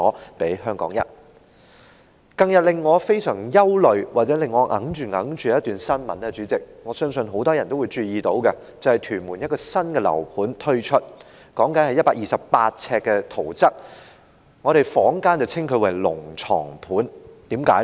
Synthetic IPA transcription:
ɔː˨˥pe˨˥jɦœː˥ŋkɔː˨˥ŋjɐ̰˥t̚ | kɐ˧ŋjɐ˨t̚lɪ˨ŋːɔː˨˧fe˥jsœː˨˩ŋjɐ˥wlɵ˨ɥwaː˨t̚t͡sɛː˨˥lɪ˨ŋːɔː˨˧ŋʔɐ̰˨˥ŋt͡ʃyː˨ŋɐ˨˥ŋt͡ʃy˨˦jɐ˥t̪yː˨nsɐ˥nmɐ̰˨˥nɛː˧t͡ʃyː˨˧˥t͡sɪ˨k̚ŋɔː˨˧sœː˥ŋsɵ˧nɦo˨˥wt̪ɔː˥jɐ˨˩nt̪o˥wu˨˧jt͡ʃyː˧jiː˨t̪o˨˥wkɛ˧ | t͡sɐ˨whɐ˨˩jt̪ʰyː˨˩nmuː˨˩njɐ˥t̚kɔ˧sɐ˥nkɛ˧lɐ̰˨˩wpʰuː˨˥nt̪ʰɵ˥ɥt͡ʃʰɵ˥t̚ | kɔː˨˥ŋkɐ˨˧nhɐ˨jɐ˥t̚paː˧˥ʔiː˨sɐ˨ppaː˧t̚t͡sʰɛː˧kːɛ˧t̪ʰo˨˩wt͡sɐ˥k̚ | ŋɔː˨˧ɾe˨jfɔː˨˥ŋkaː˥nt͡sɐ˨wt͡sʰɪ˥ŋkʰɵ˨˧ɥwɐ˨˩jlʊ̰˨˩ŋt͡sʰɔ̰ː˨˩ŋpʰuː˨˥nt̪iː˨˥mkaː˨˥j

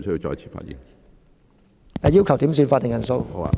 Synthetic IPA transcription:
sə˥ji˧wt͡sɔ̰ː˧jt͡sʰi̥ː˨fa̰ː˧t̚jḭ˨˩n | ɛː˧ji˥wkʰɐ˨˩wt̪i˨˥ms̬yː˧nfaː˧t̪̚ːɪ˨˩ŋjɐ˨˩nso˧wo̰˦˧

